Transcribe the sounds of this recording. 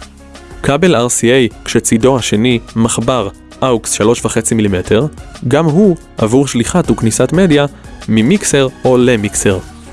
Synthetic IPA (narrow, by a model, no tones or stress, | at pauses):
kabelaʁsiejkʃet͡sido̞haʃe̞nimaχbaʁ | ʔawksʃalo̞ʃvaχe̞t͡similimetʰe̞ʁɡamɦu | ʔa̰vuʁʃliχatuknisatme̞djamimikseʁo̞lemikse̞ʁ